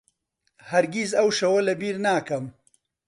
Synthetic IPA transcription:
haɾɡizawʃɐwɐlɐbiɾnakɐm

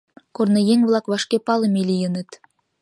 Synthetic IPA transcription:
kornɤ̆jeŋβlˠɑkβɑʃkʲepɑlˠɤ̆melʲijə̆nə̆t̪

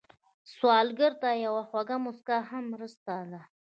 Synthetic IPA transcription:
swɑlɡəɾt̪ajawaxwaɡamʊskahamːɾəst̪ad̪a

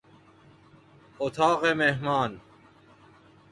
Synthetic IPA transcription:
ot̪ʰɑːqemeɦmaːn

